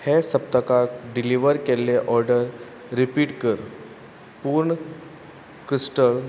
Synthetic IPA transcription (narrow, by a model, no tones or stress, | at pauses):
hesəp̚t̪əkaɖiliʋəɾkelːeʔɔɾɖəɾː | ipiːʈkəɾ | puːɾɳə | kɾisʈəl